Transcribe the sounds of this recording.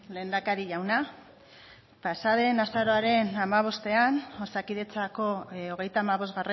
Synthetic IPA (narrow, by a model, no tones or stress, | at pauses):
le̞ːnd̪akaɾiʝawna | pasaðe̞nasaɾo̞aɾe̞namaβ̞o̞st̪e̞anosakiðe̞t͡sako̞oɣ̞ejt̪aːmaβo̞zɣare